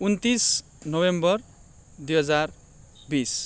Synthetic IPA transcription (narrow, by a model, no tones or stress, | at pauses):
unt̪is | nʌwembʌr | d̪ujɦʌd͡zar | bis